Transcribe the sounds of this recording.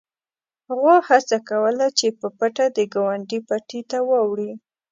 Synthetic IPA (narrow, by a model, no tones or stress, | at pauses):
haɣohat͡sakawəlat͡ʃepəpaʈad̪əɡawaɳɖipaʈit̪awawɽi